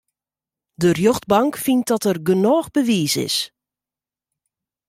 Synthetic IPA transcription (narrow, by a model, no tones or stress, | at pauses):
dərjɔxtbɑŋkfint̚dɔtərɡənɔːxbəʋiːsɪ̰s